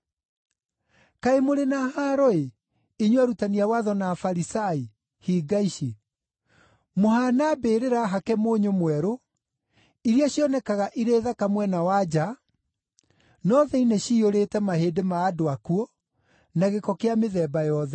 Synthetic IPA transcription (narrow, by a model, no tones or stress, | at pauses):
kaemoɾenahaɾɔe | iɲwɛɾutaniawaðɔnaːfaɾisai | hiːɡaiʃe | mohanabeːɾeɾaɦakɛmoːɲomwɛɾo | iɾiaɕjɔnɛkaɣaʔiɾeːðakamwɛnawad͡ʑa | nɔðɛineɕioɾetɛmaheːdemaːdoakuɔ | naɣekɔkeameðɛːbajɔðɛ